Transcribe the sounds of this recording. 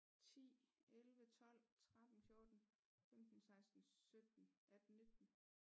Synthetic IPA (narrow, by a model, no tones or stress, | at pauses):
t͡sʰḭːelʋət͡sʰɒ̽l̰t͡sʰʁad̥n̩fjo̝ɐd̥n̩ | femd̥n̩sɑ̈ɪsd̥n̩sød̥n̩ʔæd̥nːe̝d̥n̩